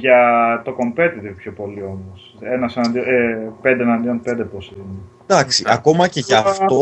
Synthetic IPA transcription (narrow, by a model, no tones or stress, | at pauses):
ʝɐt̪o̞ko̞mpe̞t̪iðipçopo̞lio̞mos | enɐsenɐnd̪ioepe̞nd̪enɐnd̪ionpe̞nd̪eposine | d̪̥ɐksiʔɐko̞mɐce̞ʝɐːft̪o